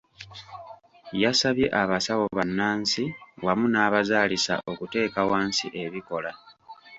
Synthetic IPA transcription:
jasaβje̞̰ʔaβasawo̞βanːaːnsiwamunaːβazaːlisa̰ʔo̞kute̞ːkawaːnsiʔe̞βiko̞la

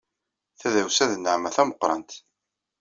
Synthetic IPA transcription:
θæðæwsæðnəʕmæθæməqːɾˤɑ̰nt̪

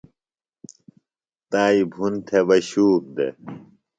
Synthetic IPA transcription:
t̪aːibʱunt̪ʰeʋɐɕuːk̚d̪ḛ

